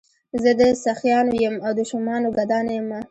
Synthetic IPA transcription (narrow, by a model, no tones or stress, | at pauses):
zəd̪əsaxjɑnojəmawd̪əʃʊmɑnoɡad̪ɑnjəma